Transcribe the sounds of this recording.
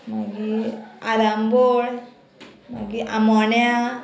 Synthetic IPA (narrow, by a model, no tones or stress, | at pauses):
maɡiaɾamboɽ | ma̰ɡiʔamɔnja